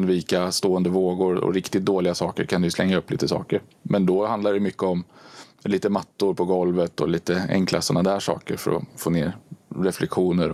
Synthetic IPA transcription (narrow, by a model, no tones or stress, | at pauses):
nviːkast̪oːənd̪əvoːɡʊɾɔ̰ɾɪkt̪ɪt̪̚d̪oːlɪɡasɑːkəɾkʰand̪ɛjɵslɛŋːaɵpːlḭːt̪əsɑ̰ːkəɾmʔɛnd̪ɔhand̪aɖɛmʏkːəɔm | liːt̪əmat̪ːʊɾpʰɔɡɔlvət̪ɔ̰liːt̪əɛ̰ŋkla̰sɔnad̪æːʂɑ̰ːkə̰ɾfœ̰ɾɔ̰foːnḛːɾɾɛflʔɛkɧuːnəɾ